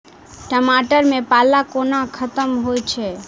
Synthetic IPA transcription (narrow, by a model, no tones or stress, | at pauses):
ʈəmaʈəɾmepalakonakʰət̪əmɦojt͡ʃʰɛ